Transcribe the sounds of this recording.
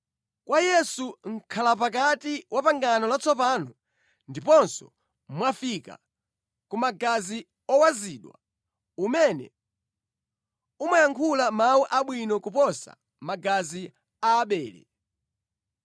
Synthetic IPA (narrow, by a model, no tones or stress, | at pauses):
kwʔajɛsuŋ̩kʰalap̬akatiwʔapaŋɡanɔlat͡sɔpanɔ | ndipɔnsɔ̰ | mwafika̰ | kumaɡazi | ɔwaziːɗwa | umɛnɛ̰ | umajaŋkʰulamawuʔaɓwinɔkupɔsa̰ | maɡazi | aːɓɛːlɛ̰